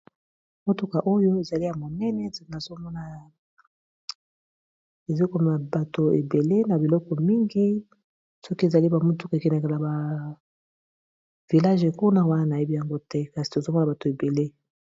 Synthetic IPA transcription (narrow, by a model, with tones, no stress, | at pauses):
mo˦to˦ka˨ʔo˦jo˦e˨za˨li˦ja˨mo˨nɛ˦nɛ˦na˨zo˦mɔ˦na˨ | e˨za˦o˦i˦ko˦m˨a˨ba˨to˨e˨be˨le˦na˨bi˨lɔ˦kɔ˨mi˦ŋɡi˦ | sɔ˦ki˦e˨za˨li˦ba˨mo˦tu˦ka˨kɛ˨nɛ˨ke˨la˨ba˨ | vi˨la˦ʒe˨ku˦na˦wa˦na˦na˨je˦bi˦ja˨ŋɡo˦tɛ˦ka˨si̥˨to˨zo˦mɔ˦na˨ba˨to˨e˨be˨le˦